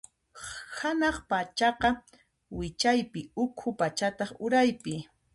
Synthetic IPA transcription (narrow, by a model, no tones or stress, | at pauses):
hanɑχpat͡ʃɑqɑ | wɪt͡ʃajpɪʊkʰʊpat͡ʃat̪ɑχʊɾajpɪ